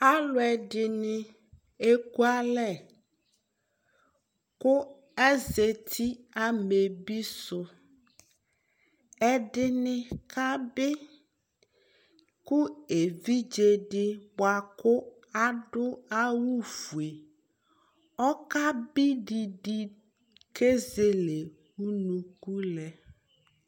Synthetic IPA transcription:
a˦lʊ˨˦ɛ˨ɖɪ˨nɪ˦ | e˦ku˦a˦lɛ˦ | kʊ˦ | ɛ˦ze˨t̪ʰi˦ | a˨me˨bi˦sʊ˦ | ɛ˨ɖɪ˦nɪ˦kʰa˦bɪ˦ | kʊ˦e˨vi˦d͡ʒe˨ɖɪ˦bwa˨kʊ˦ | a˦dʊ˦a˦wu˦fu˨e˨ | ɔ˦ka˦bɪ˦ɖi˨di˦ | ke˦ze˨le˨ | u˦nũ˨ku˦lɛ˨

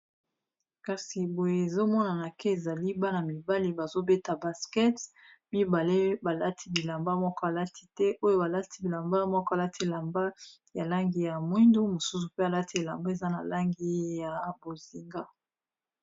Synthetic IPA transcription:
ka˨si˨bo˨je˦˨e˨zo˦mɔ˦na˨na˨kɛ˦e˨za˨li˦ba˦na˨mi˨ba˦li˦ba˨zo˦be˦ta˨ba˨skɛ˦t | mi˦ba˨le˦ba˨la˦tʰi˨bi˨la˨mba˦mɔ˦kɔ˦a˨la˦tʰi̥˨tɛ˦ʔo˦jo˦ba˨la˦tʰi˨˦bi˨la˨mba˦mɔ˦kɔ˦a˨la˦tʰi˦˨e˨la˨mba˦ | ja˨la˦ŋɡi˨ja˨mwi˦ndu˦mo˨su˦su˨pe˦a˨la˦ti˨˦e˨la˨mba˦e˨za˦na˨la˦ŋɡi˦ja˨bo˨zi˨ŋɡa˦

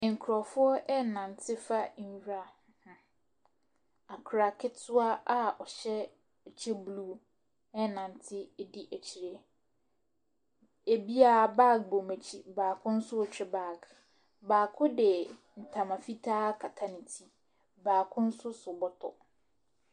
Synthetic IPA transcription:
ŋ̩˨kʰɾɔ˨fʊ˦ɔ˦ʔɛ˦nã˨n˨tʰɪ˦fa˦ɲ̩˦ɥᶣa˦˨hhʊ̃˦ | a˨kʰɾa˨kʰɪ˦tsʊ˦a˦ʔa˨ʔɔ˨ɕɛ˦˨ | t͡ɕʰɛ˦bluː˦ | ɛ˦nã˨n˨tʰɪ˦˨di˦ʔæ˨t͡ɕʰi˨ɾe˨ | e˨bi˦a˦˨ba˦˨k̚bo˨me˨t͡ɕʰi˨baː˨kʰʊ̃˦n̩˦sʊ˦ɔ˨t͡ɕᶣɛ˦ba˦˨k | baː˨kʰʊ˦dɛ˨ | n̩˨tʰã˨mã˨fi˦tʰaː˦kʰa˨tʰa˦nɪ̃˨tʰi˦ | baː˨kʰʊ̃˦n̩˦sʊ˦sʊ˨bɔ˦tʰɔ̰˨

